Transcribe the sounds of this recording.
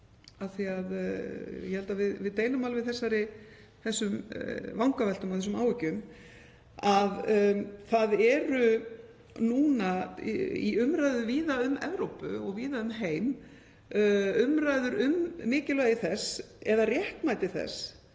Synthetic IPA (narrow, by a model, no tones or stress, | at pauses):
aθiaðjɛhɛlt̪avɪðvɪðt̪ejlʏmalvɪðθɛsːaɾɪ | θɛsːʏmvawŋkavɛl̥t̪ʏmawθɛs̬ʏmaːwɪcʏm | aðθaðɛɾʏ | nuːna | ḭʏmɾajðʏviːðaʏmɛ̰vɾowpʏ̰ɔɣviːðaʏmɦeːjm | ʏmɾajðʏɾʏmːɪːcɪlœɪθɛsɛðarjɛhk̪majt̪ɪθɛ̰s